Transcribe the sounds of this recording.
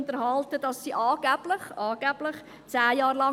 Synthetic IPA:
ntəɾhɑltədɑsːiːʔɑːɡ̥æb̥lɪχɑːɡ̥æb̥lɪχ | t͡sæːjɑːɾlɑ

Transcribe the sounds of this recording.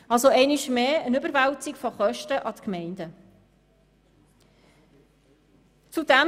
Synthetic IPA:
ɑlsoɛɪnɪʃmeːənʏbəɾʋawt͡sɪkfoχœʃtəʔɑt̪kmɛɪndə | t͡sudæ

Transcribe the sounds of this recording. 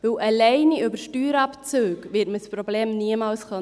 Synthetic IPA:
vɪwʔɑlɛɪniʏbəʃtyːɾɑpt͡søːkvɪːtməspɾɔbleːmniəmɑːlsχœ

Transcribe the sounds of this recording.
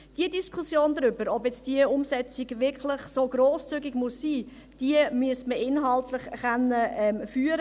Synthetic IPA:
d̥iədiskʰusjoːndɾʏbəɾɔbjɛt͡sd̥iəʊmsɛt͡siɡʋɪklɪχsoːɡɾoːst͡syɡiɡmusːiː | d̥iəmyəsməʔɪnɦɑltlɪχχanːəɛmfyːəɾ

